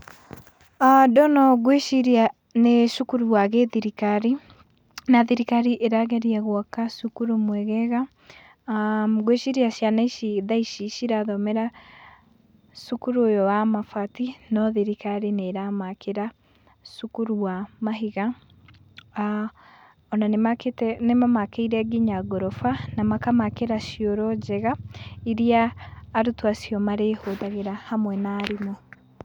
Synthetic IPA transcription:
adɔnɔɣweʃiɾia | neʃukuɾuwaɣeðiɾikaɾi | naðiɾikaɾiʔeɾaɣɛɾiɛɣwɔkasukuɾumwɛɣɛɣa | ɡweʃiɾiaʃjanaiʃiðaiʃiʃiɾaðɔmɛɾa | ʃukuɾuojɔwamafatinɔðeɾikaɾeneɾamakʰeɾa | sukuɾuwamaɦiɣa | a | ɔnaneaketnemamakeiɾɛɡiɲaɡɔɾɔfanamakamakeɾaʃiɔɾɔd͡ʒɛɣaiɾiaːɾutwasjɔmaɾehoðaɣeɾahamwɛnaːɾinɔ

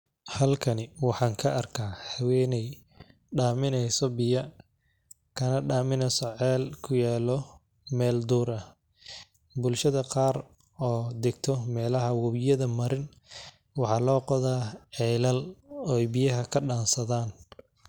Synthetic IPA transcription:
hɐlkʰɐnɪwɑħɑːŋkʰɐʔɐrkʰaːhɐwɛːnɛj | ɖaːmɪnɛjsɔbɪjɐ | kʰɐnɐɖaːmɪnɛjsɔʕɛːlkʰʊjaːlɔ | mɛːld̪uːɾɐ | bʊlʃɐðɐqɑːr | ɔːd̪ɪɡ̚t̪ʰɔmɛːlɐɦɐwɐβɪjɐðɐmɐɾɪn | wɑħɑːlɔːqɔðaːʕɛːlɐlɔjbɪjɐɦɐkʰɐɖaːnsɐðaːn

